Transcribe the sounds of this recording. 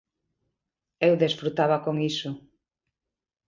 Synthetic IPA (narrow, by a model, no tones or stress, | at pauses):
ewðesfɾut̪aβakoŋisʊ